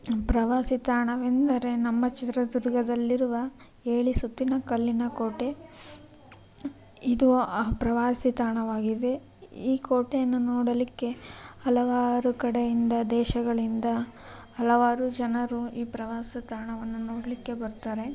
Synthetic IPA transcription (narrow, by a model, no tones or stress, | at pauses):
pɾɐʋaːsit̪aːɳɐʋend̪ɐɾe̞nɐmːɐt͡ʃit̪ɾɐd̪uɾɡɐd̪ɐlːiɾuʋɐ | e̞ːɭisut̪ːinɐkɐlːinɐkoːʈe̞ | id̪upɾɐʋaːsit̪aːɳɐʋaːɡid̪e̞ | iːkoːʈejɐnːunoːɽɐlikːe̞ɐlɐʋaːɾukɐɽejind̪ɐd̪ɛːʃɐɡɐɭind̪ɐ | ɐlɐʋaːɾud͡ʒɐnɐɾuiːpɾɐʋaːsit̪aːɳɐʋɐnːunoːɽɐlikːe̞bɐɾut̪aːɾe̞